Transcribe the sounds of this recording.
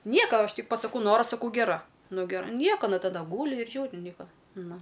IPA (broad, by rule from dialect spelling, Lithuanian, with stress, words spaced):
ˈnʲiɛkɐ ˈɐʃ ˈtʲɪk pɐsɐˈkɐʊ ˈnoːrɐ sɐˈkɐʊ ɡʲɛˈrɐ ˈnʊ ɡʲɛˈrɐ ˈnʲiɛkɐ ɐˈnɐ tɐˈdɐ ˈɡuːlʲɪ ɪr ˈʒʲuːrʲɪ ˈnʲiɛkɐ ˈnʊ